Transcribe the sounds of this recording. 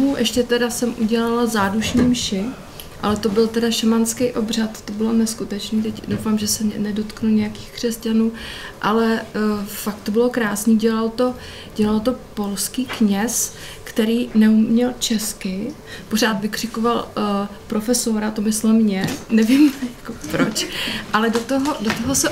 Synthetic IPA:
uʔɛʃcɛt̪ɛdasɛmʔuɟɛlalazaːduʃniːmʃɪ | ʔa̰lɛt̪o̞bɪlt̪ɛdaʃɛmanskɛjʔo̞br̝at̪t̪o̞bɪlonɛskut̪ɛt͡ʃniːt̪ɛcdowfaːmʒɛsɛnɛdo̞t̪knuɲɛjakiːxkr̝̥ɛscanuːʔalɛfak̚t̪obɪlo̞kɾaːsɲiːɟɛlalt̪o̞ | ɟ̥ɛlalt̪o̞po̞lskiːkɲɛs | kt̪ɛɾiːnɛumɲɛlt͡ʃɛskɪ | po̞r̝aːt̪vɪkr̥ɪkovalpɾofɛso̞ɾat̪omɪslɛmɲɛnɛvimjakopɾot͡ʃʔalɛdot̪oɦo̞dot̪oɦosɛ

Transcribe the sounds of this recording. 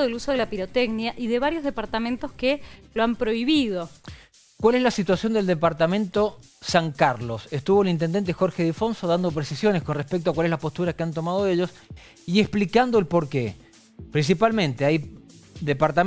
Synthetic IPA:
ðeluso̞ðelapiɾot̪eɡnjaʔiðeβaɾjo̞zðepaɾt̪amẽnt̪oskeloampɾo̞iβiðo̞ | kwale̞zlasit̪wasjo̞nd̪eld̪epaɾt̪amẽ̞nt̪o̞ | saŋkaɾlo̞sest̪uβo̞elint̪end̪ent̪̬exo̞ɾxeðifo̞nso̞ðand̪o̞pɾesisjo̞nesko̞nrespek̚t̪oakwale̞zlapo̞st̪uɾakeant̪o̞maðoeʎo̞s | ieksplikand̪oelpo̞ɾkḛ | pɾins̬ipalmẽnt̪eaj | d̪epaɾt̪a

